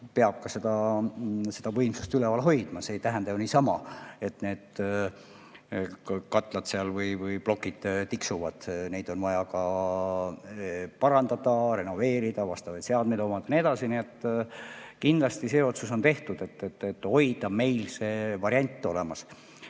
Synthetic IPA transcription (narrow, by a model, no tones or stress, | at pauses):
pe̞ɑb̥̚kɑse̞d̪̥ɑ | se̞d̪̥ɑvɤ̞jmsu̥st̪ylevɑlɦo̞jd̪̥mɑse̞ːjt̪æɦænd̪̥ɑjuniːsɑmɑe̞t̪ne̞ːd̪̥ | kɑt̪ːˑlɑd̪seɑlvɯjvɯjplo̞kːˑid̪̥t̪iksuvɑd̪̥ne̞jd̪o̞nvɑjɑkɑ | pɑɾɑnd̪ɑd̪̥ɑre̞no̞ve̞ːɾid̪̥ɑvɑst̪ɑvɑjt̪se̞ɑd̪̚med̪omɑd̪̥ɑnied̪ɑsiniet̪ː | kind̪lɑst̪ise̞ːo̞t̪suso̞nt̪e̞ht̪ud̪̥e̞t̪ːet̪ːet̪ːˑo̞jd̪̥ɑme̞jlse̞ːvɑɾjɑnʲt̪ːˑo̞le̞mɑs